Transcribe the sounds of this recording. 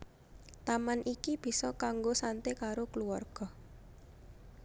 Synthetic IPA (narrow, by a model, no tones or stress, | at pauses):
t̪amanʔikib̥i̤sɔkaŋɡosant̪ekaɾokəluarɡ̥ɔ